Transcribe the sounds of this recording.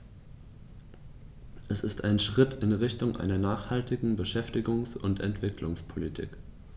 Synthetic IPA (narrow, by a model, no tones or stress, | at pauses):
ʔɛsɪstaɪnʃʁ̥ɪtʰɪnʁɪçtʊŋʔa̰ɪnɐnaːχhaltɪɡŋ̩bəʃɛftɪɡʊŋsʊntʰɛ̰ntv̥ɪklʊŋspʰolitʰḭːk